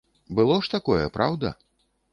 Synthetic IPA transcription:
bɨlˠɔʂt̪akɔjɛ̰pɾa̰wd̪ɐ̰

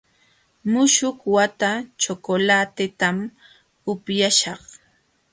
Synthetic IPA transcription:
mʊʃʊkwat̪at͡ʃokolat̪ɪt̪am | ʊpjaʃɑχ

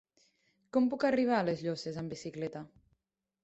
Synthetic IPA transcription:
kɔmpukariβ̞alezʎɔsezambisiklɛt̪a

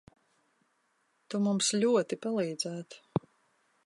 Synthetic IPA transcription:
t̪umumsʎʲuɔt̪ipalˠiːd̪zæːt̪

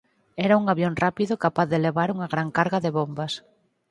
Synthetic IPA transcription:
ɛɾauŋaβjonrapiðʊkapaθðeleβaɾuŋaɣɾaŋkaɾɣaðɪβombɐs

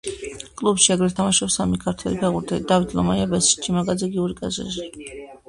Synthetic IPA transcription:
kʼlˠubʃiaɡɾɛt̪ʰamaʃɔpsamikʰaɾt̪ʰwɛ̰lipʰɛʁuɾt̪ʰɛlid̪avit̪ʰlɔ̰maiabɛsi̥t͡ʃʰimaɡad̪zɛɡiuɾikʼa̰zɛ̰zi

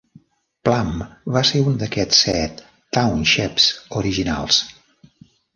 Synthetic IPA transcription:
plambaseund̪əkɛt͡sːɛt̪ː | awnʃɛpsuɾiʒina̰lˠs

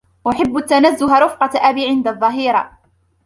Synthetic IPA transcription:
ʔaħɪbːat̪ːanazːʊɦaɾʊfqɑt̪ʔabiːʕɪnd̪aðˤːɑɦiːɾˤɑ

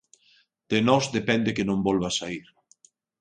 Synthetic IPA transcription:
d̪̥enɔzd̪epɛnd̪ekenõmbɔlβasaiɾ

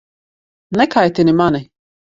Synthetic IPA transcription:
nɛkajt̪inimani

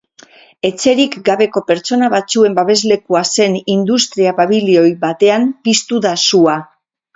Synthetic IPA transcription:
e̞t͡se̞ɾikɡaβe̞ko̞pe̞ɾt͡so̞naβat͡sue̞mbaβe̞zle̞kuase̞nind̪ust̪ɾiaβaβilio̞jβat̪e̞ampist̪uðasua

